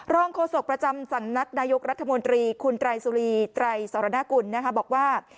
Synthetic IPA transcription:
ɾɔː˥˩ŋkʰoː˧˩so˨˩k̚pɾa˧t͡ɕa˧msa˨˩˦ŋna˦˥k̚naː˧jo˦˥k̚ɾa˦˥t̪ʰːa˧mo˧nt̪ɾiː˧kʰu˧nt̪ɾa˧jsuː˧ɾiː˧t̪ɾa˧jsaː˩˦ɾaː˧˦naː˦˥˩ku˧nːa˦˥kʰa˦˥bɔː˨˩k̚waː˥˩

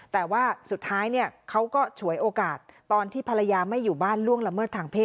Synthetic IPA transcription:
t̪ɛː˨˩waː˥˩su˨˩t̪ʰːaː˦˥jni˥˩əkʰa˦˥wkɔː˥˩t͡ɕʰu˨˩˦əjʔoː˧kaː˨˩t̪̚ːɔː˧nt̪ʰiː˥˩pʰa˧la˧jaː˧ma˥˩jːuː˨˩baː˥˩nlu˥˩əŋla˧mɤː˥˩t̪ʰːaː˧ŋpʰeː˥˩

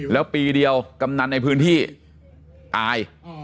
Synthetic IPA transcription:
lɛː˦˥wpiː˧di˧əwka˧mna˧t̪̚na˧jpʰɯː˦˥nt̪ʰiː˥˩ | ʔ̪aː˧j

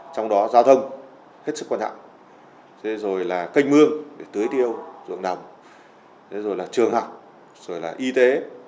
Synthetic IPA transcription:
t͡ɕɔ˧wŋ͡mɗɔ˨˦zaː˧wt̪ʰə˧wŋ͡m | he˦˥t̚sɨ˦˥kwaː˧t͡ɕa̰ː˧˨m | t̪ʰe˨˦zo˨˩jlaː˨˩kə˧jŋ̟mɨ˧əŋɗe˧˩t̪ɨ˨˦əjt̪i˧ə˧wzɨ̰˧˨əŋɗa˨˩wŋ͡m | t̪ʰe˨˦zo˨˩jlaː˨˩t͡ɕɨ˨˩əŋha˨˩wk͡p̚ | z̥o˨˩jlaː˨˩ʔi˧t̪e˨˦

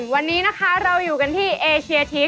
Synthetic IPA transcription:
wa˧nːiː˦˥na˦˥kʰa˦˥ɾa˧wjuː˨˩ka˧nt̪ʰiː˥˩ʔeː˧t͡ɕʰi˧ɐt̪ʰiː˦˥

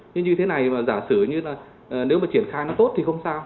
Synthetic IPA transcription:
ɲɨ˧ŋɲɨ˧t̪ʰe˨˦na˨˩jmaː˨˩zaː˧˩sɨ˧˩əɲɨ˧laː˨˩˨ | ne˨˦wmaː˨˩t͡ɕi˧˩ənxaː˧jnɔ˨˦t̪o˦˥t̚t̪ʰi˨˩xə˧wŋ͡msaː˧w

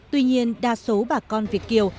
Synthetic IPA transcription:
t̪wi˧ɲi˧ənɗaː˧˩so˨˦ɓaː˨˩kɔ˧nvi˨˩ət̚ki˧˩əw

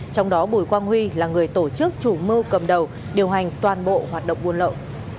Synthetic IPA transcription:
t͡ɕɔ˧wŋ͡mɗɔ˨˦ɓu˧˩jkwaː˧nhwi˧laː˨˩ŋɨ˨˩əjt̪o˧˩t͡ɕɨ˦˥k̚t͡ɕu˧˩mɨ˧wkə˨˩mɗə˨˩w | ɗi˨˩əwɦa˨˩jŋ̟t̪waː˨˩nɓo̰˧˨ɦwaː˨˩t̚ɗə̰˧˨wŋ͡mʔu˧ənlə̰˧˨w

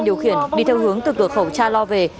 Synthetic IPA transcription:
ɗi˧˩əwxi˧˩ənɗi˧t̪ʰɛ˧whɦɨ˨˦əŋt̪ɨ˨˩kɨ˧˩əkxə˧˩wt͡ɕaː˧lɔ˧ve˨˩

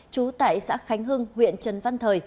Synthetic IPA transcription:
t͡ɕu˨˦t̪a̰ː˧˨jsa̰ː˧˥xa˨˦jŋ̟ɦɨ˧ŋhwḭ˧˨ənt͡ɕə˨˩nva˧nt̪ʰəː˨˩j

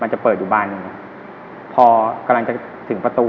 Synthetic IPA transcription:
ma˧nt͡ɕa˨˩pɤː˨˩t̪̚juː˨˩baː˧nːɯ˨˩ŋa˨˩ | pʰɔː˧ka˧mla˧ŋt͡ɕa˨˩ | t̪ʰɯ˩˦ŋpɾa˧t̪uː˧

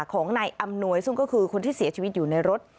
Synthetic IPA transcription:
kʰɔː˩˦ŋnaː˧jʔa˧mnu˧əjsu˥˩ŋkɔː˥˩kʰɯː˧kʰo˧nt̪ʰiː˥˩si˩˦ɐt͡ɕʰiː˧wi˦˥t̪̚juː˨˩na˧jɾo˦˥t̪̚

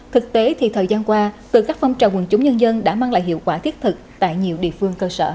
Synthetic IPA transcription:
t̪ʰɨ˨˩k̚t̪e˨˦t̪ʰi˨˩t̪ʰəː˨˩jzaː˧nkwaː˧t̪ɨ˨˩kaː˦˥k̚fa˧wŋ͡mt͡ɕaː˨˩wə˨˩nt͡ɕʊ˨˦ŋ͡mɲə˧nzə˧nɗa̰ː˧˥maː˧ŋlaː˧˨jɦḭ˧˨əwkwaː˧˩t̪ʰi˦˥ət̚t̪ʰɨ˨˩k̚t̪a̰ː˧˨jɲi˨˩əwɗḭ˧˨əfɨ˧əŋkəː˧sə̰ː˧˨

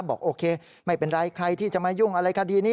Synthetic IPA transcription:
p̚bɔ̰ː˨˩k̚ʔoː˧kʰeː˧ | ma˥˩jpe˧nɾaː˦˥jkʰɾa˧jt̪ʰiː˥˩t͡ɕa˨˩ʔmaː˧ju˥˩ŋʔa˧ɾa˧jkʰa˦˥˩diː˧niː˦˥

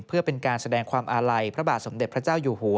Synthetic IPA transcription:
pʰɯ˥˩ɐpe˧nkaː˧nsa˧dɛː˧ŋkʰwaː˧mʔaː˧ɾa˧jpʰɾa˦˥baː˨˩t̪̚so˩˦md̪e˨˩t̪̚pʰɾa˦˥t͡ɕaː˥˩wjuː˨˩huː˩˦

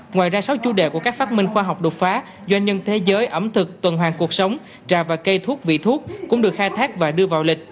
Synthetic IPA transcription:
ŋwaː˨˩jzaː˧sa˨˦wt͡ɕu˨˦ɗe˧˨˩ku˧˩əkaː˦˥k̚faː˦˥t̚mï˧ŋ̟xwaː˧ɦa˨˩wk͡p̚ɗo˨˩t̚faː˨˦ | zwa˧jŋɲə˧nt̪ʰe˨˦zəː˨˦jʔə˧˩mt̪ʰɨ˨˩k̚t̪wə˨˩nɦwaː˨˩ŋku˨˩ək̚sə˨˦wŋ͡m | t͡ɕaː˨˩vaː˨˩kə˧jt̪ʰu˦˥ək̚vḭ˧˨t̪ʰu˦˥ət̚kʊ̰˧˥ŋ͡mɗɨ˨˩ək̚xaː˧jt̪ʰaː˦˥k̚vaː˨˩ɗɨ˧əvaː˨˩wlï˨˩k̟̚

